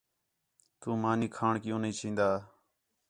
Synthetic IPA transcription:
t̪uːmaːniːkʰaːɳkɪjõːnĩːt͡ʃʰĩːnd̪aː

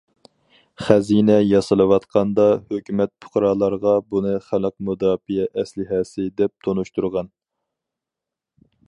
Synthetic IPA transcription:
χæzinɛjɑsɨlˠɨwɑt̪qʰɑnd̪ɑhøkʲymɛt̪̚pʰʊ̥χɾɑːlˠɑɾʁɑbunɨχæləq̚mud̪ɑːfijɛʔɛslɪɦɛsɪd̪ɛp̚t̪ʰonuʃt̪uɾʁɑn

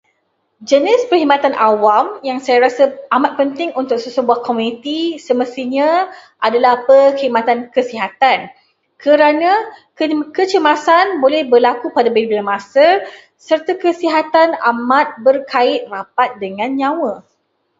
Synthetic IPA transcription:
d͡ʒənɪspərhimat̪anʔawamjaŋsajaɾasəamat̪̚pənt̪ɪŋunt̪ʊk̚səsəbuahkomunit̪isəməst̪iɲãʔadalahpəhəimãt̪ankəsiɦat̪an | kʰəɾanãkəkət͡ʃəmasanbolɛhbərlakupadabelbilamasə | sərt̪akəsiɦat̪anamat̪̚bərkaɪt̪̚rapat̪̚dəŋãnɲãwə

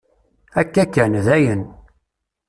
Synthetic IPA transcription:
ækːækːænðæjən

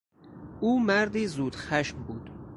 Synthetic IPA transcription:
ʔuːmæɾd̪iːzuːd̪̥xæʃmbuːd̪̥

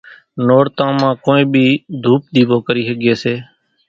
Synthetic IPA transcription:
noːɽt̪ãːmãːkoːĩːɓʱiːd̪ʱuːp̚ɗ̪iːboːkəɾiːɦəɠeːseː

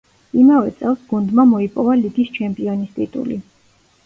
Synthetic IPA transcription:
imavɛt̪sʼɛlˠsɡund̪mamɔipʼɔvaliɡ̪ist͡ʃʰɛmpʼiɔnist̪ʼit̪ʼṵli

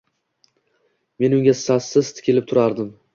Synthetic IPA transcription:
me̞nʊŋɡʲassasːɪzt̪ʰɪ̥kʲʰɪlɪp̚t̪ʰʊɾaɾd̪ɪm

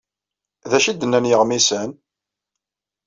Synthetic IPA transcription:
ðæʃid̪ənːænjəʁmisən

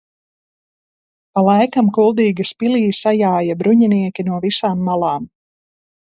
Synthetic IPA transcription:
palˠajkamkulˠd̪iːɡispiliːsajaːjabɾuɲiniɛkʲinuɔvisaːmːalˠaːm

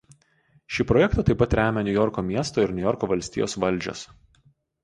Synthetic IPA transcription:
ʃʲiːpɾɔjɛkt̪ɑt̪ɐɪpɐt̪ɾʲæːmʲɛnʲʊjɔɾkoːmʲiɛst̪oːɪɾnʲʊjɔɾkoːʋɐlʲsʲt̪ʲḭːjo̰ːsʋɐlʲˑd͡ʒʲɛ̰s

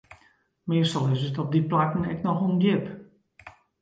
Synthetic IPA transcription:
mɪstɔlˠɪsətɔb̚diplakən̩ɛknɔxunɡɪp

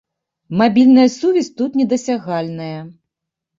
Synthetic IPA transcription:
mabʲilʲnɐjɐsuvʲɛsʲt̪ut̪nʲɛd̪ɐsʲaɣalʲnɐjɐ

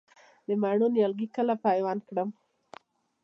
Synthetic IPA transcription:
d̪əmaɳonjalɡikəlapajwɑnkɽəm

